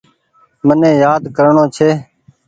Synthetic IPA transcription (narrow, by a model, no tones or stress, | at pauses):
mənẽːjaːd̪kəɾɳõːt͡ʃʰeː